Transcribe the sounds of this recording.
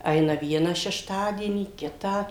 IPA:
ˈɐɪnɐ ˈʋʲiɛnɐ ʃʲɛʃˈtɑːdʲiɛnʲiː ˈkʲɪtɑː

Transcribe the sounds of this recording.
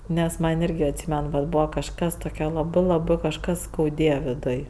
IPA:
nʲɛs ˈmɐnʲ ˈɪrʲɡʲɪ ɐtʲˈsʲiːmʲɛn ʋɐt ˈbuːʋɐ kɐʃˈkɐs toːˈkʲɛ lˠɐˈbɜ lˠɐˈbɜ kɐʃˈkɐs skɐʊˈdʲeːjɛ ʋʲɪˈdʊj

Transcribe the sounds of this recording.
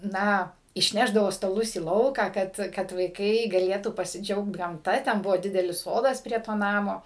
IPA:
ˈnɐ ɪʃʲˈnʲæːʒdɐʋoː stɐˈlˠʊs iː ˈlˠɐʊkɑː ˈkɐt kɐt ʋɐɪˈkɐɪ ɡɐˈlʲeːtuː pɐsʲɪˈd͡ʒʲɛʊkt ɡɐmˈtɐ tʲɛn ˈbʊʋoː ˈdʲɪdʲɛlʲɪs ˈsoːdɐs pʲrʲiɛ ˈtoː ˈnɑːmoː

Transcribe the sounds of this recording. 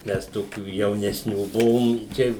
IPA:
ˈmʲɛs ˈtoːkʲuː jɛʊnʲɛsʲˈnʲuː ˈbʊʋoːm ˈt͡ʃʲɛ

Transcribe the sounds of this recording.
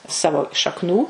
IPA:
ˈsɑːʋoː ʃɐkˈnuː

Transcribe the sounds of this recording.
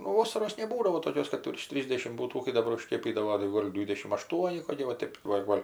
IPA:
nʊ ˈʋoːsɐroːs nʲɛˈbuːdɐʋoː toːˈkʲoːs kɐt ʋʲɪrʃ ˈtʲrʲiːzʲdʲɛʃʲɪm ˈbuːtuː kɐɪ dɐˈbɐr ʊʃʲˈkʲeːpʲiːdɐʋoː tɐɪ ˈɡoːlʲ ˈdʲʋʲiːdʲɛʃʲɪm ɐˈʃtuɔnʲɪ koːˈkʲɪ ʋɐ ˈtʲeːp ʋɐ ˈɡoːlʲ

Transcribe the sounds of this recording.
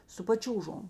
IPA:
sʊ pɐˈt͡ʃʲuːʒoːm

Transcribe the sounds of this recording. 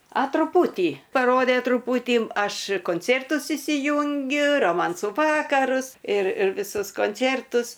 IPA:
ɐ trʊˈpuːtʲiː pɐˈroːdʲeː trʊˈpuːtʲiː ˈɐʃ koːnʲˈt͡sʲeːrtʊs iːsʲɪˈjʊŋʲɡʲʊ roːˈmɐnsuː ˈʋɑːkɐrʊs ɪr ɪr ʋʲɪˈsʊs koːnʲˈt͡sʲeːrtʊs

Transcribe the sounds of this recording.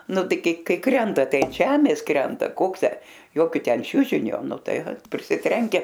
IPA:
ˈnʊ ˈtɐɪ ˈkɐɪ ˈkɐɪ ˈkrʲɛntɐ ˈtɐɪ ɐn ˈʒʲæːmʲeːs ˈkrʲɛntɐ ˈkoːks ˈtʲæː ˈjoːkʲoː ˈtʲɛn ˈt͡ʃʲʊʒʲɪnʲoː nʊ ˈtɐɪ pʲrʲɪsʲɪˈtʲrʲɛŋʲkʲɛ

